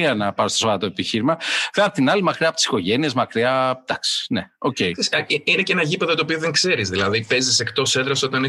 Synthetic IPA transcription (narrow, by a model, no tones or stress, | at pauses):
iɐnɐpɐɾst̪osovɐɾɐt̪oe̞piçiɾimɐfeɐpt̪inɐlimɐkɾiɐpo̞t̪isi̥ko̞ʝe̞nie̞zmɐkɾiɐt̪ɐksi̥neo̞̰ce̞jsiinecenɐʝipe̞ðɐt̪opioðeŋkse̞ɾizðilɐðipe̞zise̞kt̪o̞send̪ɾɐso̞t̪ɐni